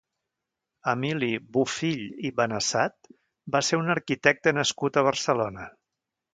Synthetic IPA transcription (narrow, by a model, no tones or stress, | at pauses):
əmiliβufiʎiβənəsat̪̚ | baseunəɾkit̪ɛk̚t̪ənəskut̪əβ̞əɾsəlonə